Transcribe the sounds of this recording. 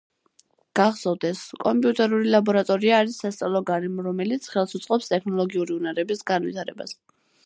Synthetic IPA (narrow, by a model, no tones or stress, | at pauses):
ɡ̥aχsɔvd̪ɛskʼɔmpʼiut̪ʼɛɾulilˠabɔɾat̪ʼɔɾiaːɾisːast̪sʼalˠɔɡaɾɛmɾɔmɛlit̪sʰχɛlˠsut̪sʼqʼɔpst̪ʼɛkʰnɔlˠɔɡiuɾiunaɾɛbisɡanvḭt̪ʰaɾɛ̰ba̰s